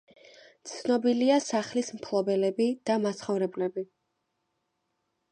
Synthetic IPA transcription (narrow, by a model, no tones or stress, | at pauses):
t̪sʰnɔbiliasaχlismpʰlˠɔbɛlɛbid̪̥amasχɔvɾɛblɛbi